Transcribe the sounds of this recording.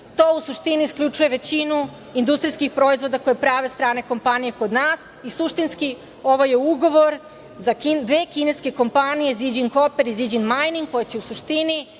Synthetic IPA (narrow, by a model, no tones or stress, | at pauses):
t̪oːusuʃt̪iniiskʎʲut͡ʃuje̞ʋe̞t͡ɕinu | ind̪ust̪ɾijskixpɾo̞izʋo̞d̪akojepɾaːʋe̞st̪ɾaːne̞ko̞mpanije̞ko̞d̪naːs | isuʃt̪inski | o̞ʋojeuɡoʋo̞ɾ | zakind̪ʋe̞ːkine̞ske̞ko̞mpanije̞zid͡ʑiŋko̞peɾizid͡ʑinmajniŋɡkːo̞jet͡ɕe̞usuʃt̪ini